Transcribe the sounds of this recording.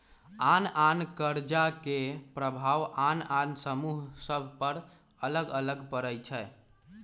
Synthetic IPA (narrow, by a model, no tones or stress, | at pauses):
anankəɾd͡ʒakepɾəbʱaʋanansəmuɦsəbʱpəɾ | ələɡələɡpəɾəjt͡ʃʰɛ